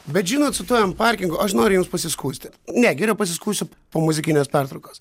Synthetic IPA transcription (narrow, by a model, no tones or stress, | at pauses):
bʲɛt̪ʒʲiːnoːt̪sʊt̪uɔʋʲɛmpɑɾʲkʲɪŋɡʊʔɐʃnoːɾʲʊjʊmspɐsʲɪskuːsʲt̪ʲɪt̪nʲɛɡʲɪɾʲɛʊpɐsʲɪskuːst̪ʲʊ | poːmʊzʲɪkʲɪnʲeːspʲɑrt̪ɾɐʊkoːs